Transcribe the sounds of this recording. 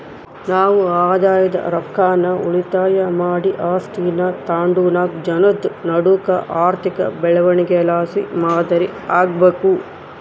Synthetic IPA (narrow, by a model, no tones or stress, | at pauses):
naːʋuaːd̪aːjɐd̪ɐ̰ɾɐkʰːaːnɐṵɭit̪aːjɐmaːɽiʔaːsʈiːnɐt̪aːɳɖuːnaːk̚d͡ʒɐnɐd̪nɐɽukɐ̰ʔaːɾt̪ʰikɐ̰bɛɭɐʋɐɳiɡelaːsḭmaːd̪ɐɾiaːɡbeːku